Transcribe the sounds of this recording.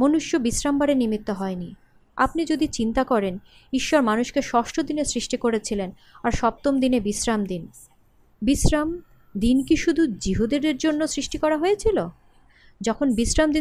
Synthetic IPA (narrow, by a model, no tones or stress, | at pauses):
monuʃjobisɾambaɽenimit̪ːoɦɔeni | a̰pnid͡ʑod̪it͡ɕint̪akɔɾen | iʃːoɾmanuʃkeʃɔʃʈʰod̪inesɾiʃʈikoɾet͡ɕʰilen | aɾʃɔp̚t̪omd̪inebisɾamd̪in | bisɾam | d̪inkiʃud̪ʱud͡ʑiɦud̪eɾeɾd͡ʑonːosɾiʃʈikɔɾaɦoet͡ɕʰilo | d͡ʑɔkʰonbisɾamd̪i